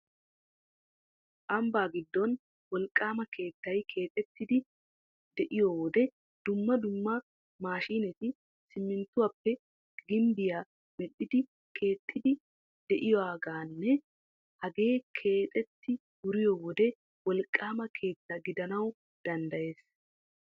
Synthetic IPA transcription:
ʔɐmbaːɡɪd̪ːɔn | wɔlkʼːaːmɐkʰe̞ːt̪ːɐjkʰe̞ːt̪ʼɛt̪ːɪd̪ɪ | d̪ɛʔɪjɔwɔd̪ɛ | d̪̥ʊmːɐd̪ʊmːɐ | maːʃiːnɛt̪ɪ | sɪmːɪnt̪ːʊwɐpːɛ | ɡɪmbɪjaː | mɛɗːɪd̪ɪ | kʰe̞ːt̪ʼːɪd̪ɪ | d̪̥ɛʔɪjɔaːɡaːnːɛ | hɐɡe̞ːkʰe̞ːt̪ʼɛt̪ːɪ | ɡʊɾɪjɔwɔd̪ɛ | wɔlkʼːaːmɐkʰe̞ːt̪ːɐɡɪd̪ɐnɐw | d̪̥ɐnd̪ɐje̞ːs

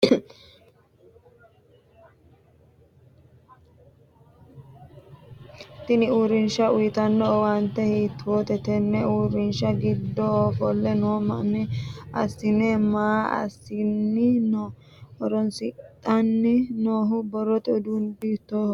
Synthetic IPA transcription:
t̪ɪnɪuɾɪnʃɐʊjɪt̪ɐnːɔwɐnt̪ːɛhiːt̪ːwot̪ɛt̪ɛnːɛuːɾɪnʃɐɡɪd̪ːɔːfɔlːɛnoːmɐnɪɐ̰sːɪnɛmaːɐ̰sːɪnːɪno | ɔɾɔnsɪt̪ʼːɐnːɪnoːɦʊbɔɾɔt̪ɛʊd̪ʊnd̪ɪt̪oːh

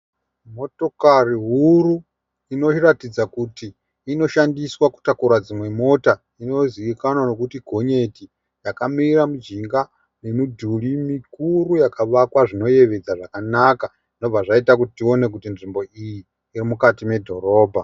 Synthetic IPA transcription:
mo̞to̞kariɦuru | ino̞t͡ʃiratid͡zakutiː | no̞ʃandiswaku̥takuɾwad͡zimwe̞mo̞ta | ino̞ziʋikanwano̞kutiɡʱo̞ɲe̞ti | jakamiɾamud͡ʒiŋɡa | nemudʱulimikurujakaʋakwaʐino̞je̞ʋe̞d͡zaʐakanaka | ʐino̞b͡vaʐaitak̬utitio̞ne̞k̬utinʐimbo̞ijiː | rimukatime̞dʱo̞ɾo̞ːbʱa

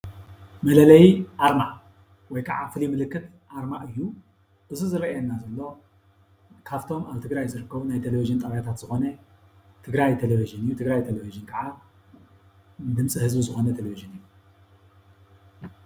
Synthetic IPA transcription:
mɐlɐlɐjʔaɾmaʔ | wɔjkʰa̰ʕa̰fɨlimɨlɨkːɨt̪ | ʔaɾmaʔɨjːu | ʔɨzuzɨɾɐɛnːazɐlːo̞ | kʰaβt̪ʰo̞maβt̪ʰɨɡɾajzɨɾɨkːɐβunajt̪ʰeleviʒɨnt̪ʼɐβjat̪ʰat̪z̥ɨxo̞nɐ | t̪ʰɨɡɾajt̪ʰeleviʒɨnɨjːut̪ʰɨɡɾajt̪ʰeleviʒɨnkʰɐʕa | d̪ɨmt͡sʼihɨzbizɨxo̞nɐt̪ʰeleviʒɨnɨjːu

